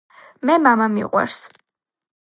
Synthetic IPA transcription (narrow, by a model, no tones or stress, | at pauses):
mɛmamamiqʼwɛ̰ɾs